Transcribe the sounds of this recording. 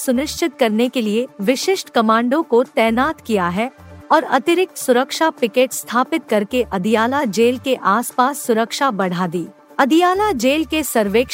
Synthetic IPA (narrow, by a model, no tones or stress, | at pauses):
sʊnɪʃt͡ʃɪt̪̚kɐɾnekelieʋɪʃɪʃʈkɐmãːɳɖõkot̪ɛːnaːt̪kijaɦɛɔːɾɐ̰t̪ɪɾɪk̚t̪sʊɾəkʃapɪkeːʈst̪ʰaːpɪt̪̚kɐɾkeʔɐd̪ijaːlad͡ʒeːlkeʔaːspaːsːʊɾəkʃabɐɽ̤aːd̪iː | ɐd̪ijaːlad͡ʒeːlkesɐɾʋeːk